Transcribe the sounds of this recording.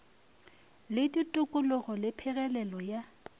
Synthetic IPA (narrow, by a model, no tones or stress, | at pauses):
lɪditʼʊkʼʊlʊɣɔlɪpʰɛɣɛlɛlɔja